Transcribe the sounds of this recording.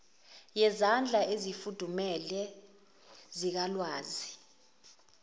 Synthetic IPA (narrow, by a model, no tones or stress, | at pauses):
jɛzand͡ɮʱaʔezifud̥ʱumɛlɛ | zik̬alwaːzi